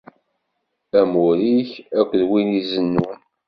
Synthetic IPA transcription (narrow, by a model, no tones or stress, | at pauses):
æmuɾiçækʷːəðwinizənːun